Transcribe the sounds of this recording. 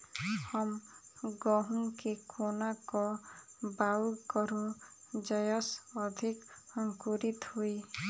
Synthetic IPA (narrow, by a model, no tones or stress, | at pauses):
hɔmɡɔɦũŋkekʰonakɔbawkɔɾũd͡ʒɔjɔsɔd̪ʱikɔŋkuɾit̪hui